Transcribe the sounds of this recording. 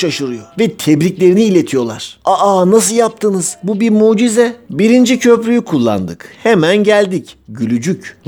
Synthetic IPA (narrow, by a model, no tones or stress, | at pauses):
aʃɯɾɯjovɛt̪ʰɛbɾiclʲe̞ɾiniːlʲe̞t̪ʰijo̞lˠa̰ɾ̥aanas̬ɯlˠjap̚t̪ʰɯnɯz̥bubiɾmuːd͡ʒizɛbiɾind͡ʒicʰø̞pɾʲyjykʰulˠːa̰nd̪ɯkhemænɟælʲd̪icɟylʲyd͡ʒyc